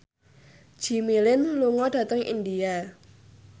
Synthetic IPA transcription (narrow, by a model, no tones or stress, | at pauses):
d͡ʒ̥i̤milɪnluŋɔɖ̥ä̤t̪əŋʔḭndia